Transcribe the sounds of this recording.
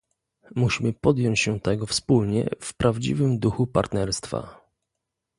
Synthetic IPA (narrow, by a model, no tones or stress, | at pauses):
muɕimɘpɔd̪jɔɲt͡ɕɕɛt̪ɛɡɔfspulɲɛ̰fpɾʔavd͡ʑḭvɘmd̪uxupa̰ɾt̪nɛɾst̪fa̰